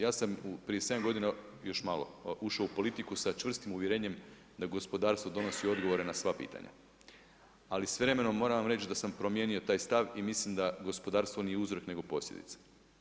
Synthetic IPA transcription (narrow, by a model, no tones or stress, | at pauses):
jaːsamupɾije̞se̞d̪amɡo̞d̪ina | jo̞ʃmalˠo̞̰uʃaoupo̞lit̪ikusat͡ʃʋr̩st̪imuʋjeɾe̞ːɲe̞m | d̪aɡo̞spo̞d̪aːɾst̪ʋo̞d̪o̞no̞sio̞d̪ɡo̞ʋo̞ɾe̞nasʋapḭːt̪ʰa̰ɲa̰ | alisʋɾe̞me̞no̞mːo̞ːɾaʋamɾe̞t͡ɕd̪asampɾo̞mje̞ːnio̞t̪aːjst̪aʋimislimd̪aɡo̞spo̞d̪aːɾst̪ʋo̞nijeuzɾo̞kne̞ɡo̞po̞slʎʲḛd̪ḭt̪sḁ